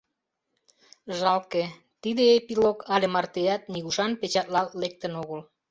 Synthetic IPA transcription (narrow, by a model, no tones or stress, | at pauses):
ʒɑlke | t̪id̪eepilokʰɑlemɑrt̪eæt̪̚niɣuʃɑnpet͡ɕɑt̪lɑlːek̚t̪ənoɣəl